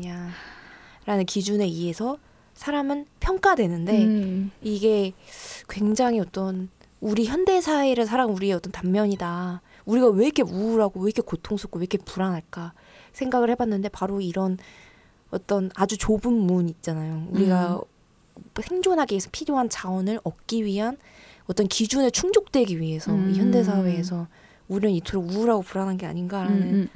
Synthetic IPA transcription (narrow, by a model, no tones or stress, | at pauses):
ɲa | ɾanɯnkid͡ʑune̞ie̞sʰʌ | sʰaɾamɯnpʰjʌŋk͈adwe̞nɯnde̞iɡe̞kwe̞ŋd͡ʑaŋiʌt͈ʌn | uɾiçjʌnde̞sʰaiɾɯɭsʰaɾaŋuɾieʌt͈ʌntamːjʌɲida | uɾiɡawe̞ikʰe̞uɾaɡowe̞ikʰekotʰoŋsʰok̚oekʰe̞puɾanaɭk͈a | sʰe̞ŋɡaɡɯɭhe̞banːɯnde̞paɾoiɾʌn | ʌ̰t͈ʌnad͡ʑut͡ɕobɯnmuɲiːt̚t͡ɕ͈anajouɾiɡa | sʰe̞ŋd͡ʑonɦaɡiesʰʌpʰiɾjoɦant͡ɕaʌnɯɾʌp̚k͈iɥiɦan | ʌt͈ʌnkid͡ʑunet͡ɕʰuŋd͡ʑok̚t͈we̞ɡiɥiɦe̞sʰʌiçjʌnde̞s̬ʰawe̞ːsʰʌ | uɾinɯnitʰoɾouːɾaɡopuɾananɡe̞a̰ɲinɡaɾanɯn